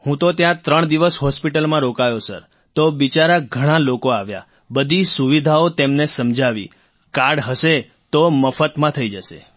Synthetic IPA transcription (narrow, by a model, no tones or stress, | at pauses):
hũt̪ot̪jãt̪ɾəɳ̃d̪iʋəsɦɔspiʈəlmãɾokajosə̰ɾ | t̪obit͡ʃaɾaɡʱəɽ̃ãlokoaʋja̰ | bəd̪ʱisuʋid̪ʱaot̪emnesəmd͡ʒʱaʋḭ | kaɽɦəʃe | t̪oməfət̪mãt̪ʰəid͡ʒəʃḛ